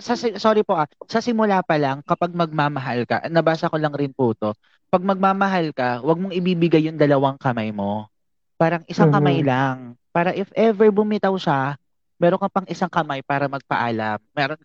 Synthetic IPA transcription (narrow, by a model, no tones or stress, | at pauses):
sɐsɪsoɾɪpo̞ʔasɐsɪmʊlaːpɐlaŋkɐpaɡ̚mɐɡ̚mamɐɦalkɐ̰ʔnɐbaːsɐkolɐŋɾɪnpuːt̪o̞ | pɐɡ̚mɐɡ̚mamɐɦalkɐwɐɡ̚moŋɪbiːbɪɡajːʊŋd̪ɐlɐwaŋkɐmajmo̞ | paːɾɐŋʔɪsaŋkɐmajlaŋpaːɾɐʔɪfʔɛvɛɹbʊmɪt̪ɐwʃa | mɛːɾoŋkɐpɐŋʔɪsaŋkɐmajpaːɾɐmɐɡ̚pɐʔaːlɐmːɛːɾon